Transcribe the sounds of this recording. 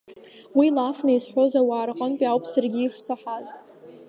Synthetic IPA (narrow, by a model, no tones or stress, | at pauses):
wilafnaisħʷo̞zawaːrqʼənpʼiawpʰʼsarɡʲiiʂt͡sʰaħaz